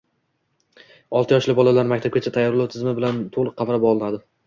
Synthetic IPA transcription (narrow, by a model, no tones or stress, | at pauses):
ɒlˠt̪ɪjɒʃlɪbɒlalaɾmakʲt̪ʰab̚ɡʲat͡ʃʰat̪ʰajːɒɾlawt̪ʰɪzmɪbɪlant̪ʰoʁlˠɨqʰːɑmɾapɒlˠɪnad̪ɪ